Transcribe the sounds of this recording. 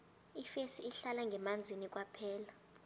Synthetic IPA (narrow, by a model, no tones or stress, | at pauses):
ifesiːɬalaŋɡʱɛmand͡zʱinik̬ʼwapʰɛːla